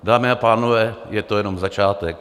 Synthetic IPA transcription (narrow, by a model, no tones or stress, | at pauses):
daːmɪapaːnovɛːjɛt̪o̞jɛnomzat͡ʃaːt̪ɛk